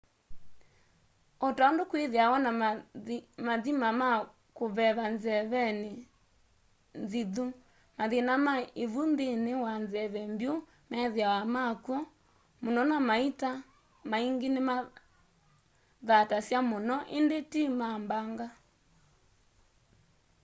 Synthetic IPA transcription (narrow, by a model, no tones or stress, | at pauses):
otaondokweðeawana | maðimama | koβɛβanzɛβɛne | nziðu | maðenamaeβundenewanzɛβɛmbjo | mɛðeawamakwɔ | monɔnamaita | maiŋɡenema | ðatasjamonɔʔendetimambaŋɡa